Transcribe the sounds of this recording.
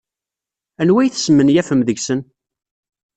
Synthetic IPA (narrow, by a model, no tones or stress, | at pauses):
ænwæjθə̥smənjæfəmðəʝsən